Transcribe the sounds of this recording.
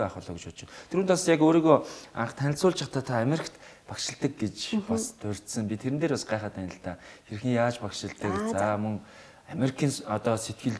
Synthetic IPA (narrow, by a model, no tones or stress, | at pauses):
aχʊːɮɔːɡ̆t͡ɕpʊt͡ɕɪ̆nt̪ʰeɾuːnt̪asjakoːɾiːɣoːa̰ɴχt̪ʰænʲɪ̆sʊːɮt͡ɕʰaχt̪ʰaːt̪ʰaːmeɾĭkt̪pakʃɪ̆ɮt̪ə̆k̚ɡet͡ɕpɔst̪ʰɵr̥ʲt̪sə̆mpʲit̪ʰːeɾɘ̆t̪eːɾasɢaːχəːt̪ænʲɪ̆ɬt̪aːxeɾ̆xɘ̆ŋjaːt͡ɕpakʃɪ̆ɬt̪ə̆kt͡samɵŋ | ameɾikʰiːnɔt̪ɔːset̪̚ɡɘ̆ɮ